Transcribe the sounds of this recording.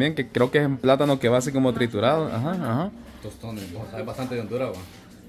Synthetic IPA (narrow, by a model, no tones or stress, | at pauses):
jeŋkekɾeokeesumplat̪anokeβaːs̬ikomot̪ɾit̪uɾaðoʔa̰xaaha | t̪ost̪oneosaeβbast̪ant̪eend̪uɾawa